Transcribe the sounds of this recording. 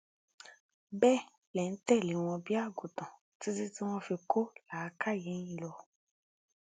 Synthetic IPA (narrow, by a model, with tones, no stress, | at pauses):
bɛ˦ | lɛ˨n̩˦tɛ˦˨le˨˦w̃ɔ̃˧bi˦a˦˨ɡu˨tɔ̃˨ | ti˦ti˦ti˦w̃ɔ̃˦fi˧ko˦laː˨˦ka˦˨jẽ˨˦ĩ˦˧˨lɔ˧